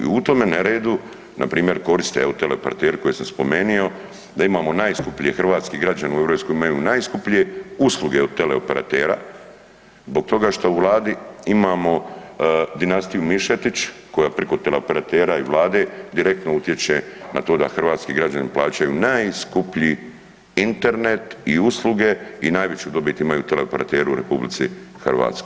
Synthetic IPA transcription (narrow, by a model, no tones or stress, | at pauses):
ḭut̪o̞me̞naɾeːd̪u | napɾiːmje̞ɾko̞ɾist̪eeot̪eleopeɾa̰t̪eːɾko̞jesamspo̞me̞nio̞ | d̪aimaːmo̞naːjskupʎijexr̩ʋaːt̪skiɡɾad͡ʑaneue̞ʋɾo̞ːpskoimajunaːjskupʎije̞usluɡe̞ot̪ele̞ope̞ɾa̰t̪e̞ːɾa̰ | zbo̞k̚t̪o̞ɡaʃt̪ouʋlˠaːd̪iimamo̞ | d̪inast̪ijumiʃet̪it͡ɕko̞japɾikot̪e̞le̞ope̞ɾat̪e̞ːɾaiʋlˠaːd̪e̞d̪iɾe̞k̚t̪nout̪je̞t͡ɕena̰t̪o̞ːd̪a̰xr̩ʋaːt̪skiɡɾad͡ʒaniplaːt͡ɕajunajskupʎi | int̪e̞ɾne̞t̪iuslˠuɡe̞inaːjʋet͡ɕuːd̪o̞bit̪imajut̪eleope̞ɾat̪e̞ːɾuuɾe̞publit̪sixrʋa̰ːt̪sko